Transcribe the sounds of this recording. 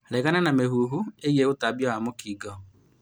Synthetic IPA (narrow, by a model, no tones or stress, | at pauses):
lɛɡananameɦuɦueɣjeɣʊtabjɔamokiɡɔ